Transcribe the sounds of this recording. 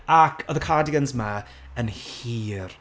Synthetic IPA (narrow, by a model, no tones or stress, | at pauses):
akʰɔðəkʰadɪɡənzma | ənhiːr